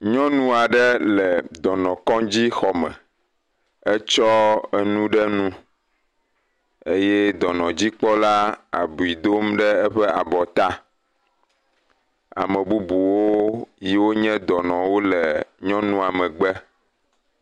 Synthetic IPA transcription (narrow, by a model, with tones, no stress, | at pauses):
ɲɔ̃˦nũ˦a˨ɖɛ˦lɛ˨d̪ɔ˨nɔ̃˨kɔ̃˦d͡ʑi˦xɔ˨mɛ̰̃˨ | ɛ˦t͡ʃɔ˦ɛ˨nũ˦ɖɛ˦nũ˦ | e˦jɛ˦d̪ɔ˨nɔ̃˨d͡ʑi˦k͡pɔ˦la˦a̰˨bu˨i˨d̪o˦mɖɛ˦ɛ˦ɸɛ˦a˨bɔ˨t̪a˦ | a̰˨mɛ̃˨bu˦bu˨wo˦ji˦wo˦ɲɛ̃˦d̪ɔ˨nɔ̃˨wo˦lɛ˨ɲɔ̃˦nũ˦a˨mɛ̃˨ɡ͡bɛ˦